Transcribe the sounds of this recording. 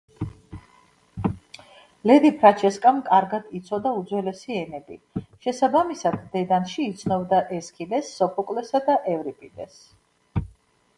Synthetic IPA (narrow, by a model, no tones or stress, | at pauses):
lɛd̪ipʰɾat͡ʃʰɛskʼamkʼaɾɡad̪it̪sʰɔd̪aud̪zwɛlɛsiɛnɛbḭʃɛsabamisad̪d̪ɛd̪anʃiːt̪sʰnɔbd̪aʔɛskʰid̪ɛsːɔpʰɔkʼlɛsad̪aʔɛvɾipʼid̪ɛs